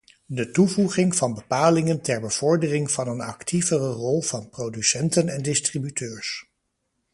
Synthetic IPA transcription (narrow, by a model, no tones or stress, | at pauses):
dətuvuχɪŋv̥ɑnbəpaːlɪŋəntɛɹbəv̥ɔɹdərɪŋv̥ɑnənɑktʰivərərɔlˠv̥ɑnprowdysɛntənɛndɪstribytʰøːɹs